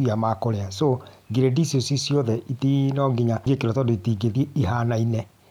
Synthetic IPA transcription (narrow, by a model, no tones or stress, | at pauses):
iamaːkoɾeasoɡeɾedisosisiɔðɛʔitinɔɡeɲaɡekeɾɔtɔdoitiɡeðieiɦanainɛ